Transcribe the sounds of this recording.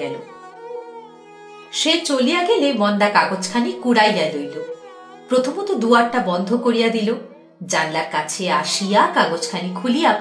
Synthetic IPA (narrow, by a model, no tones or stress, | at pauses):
ɛlo | ʃet͡ɕolijaɡelemɔnd̪akaɡot͡ɕkʰanikuɽajːalojlo | pɾot̪ʰomot̪ud̪uaɾʈabɔnd̪ʱokoɾijad̪ilo | d͡ʑanlaɾkat͡ɕʰeaʃijakaɡot͡ɕkʰanikʰulija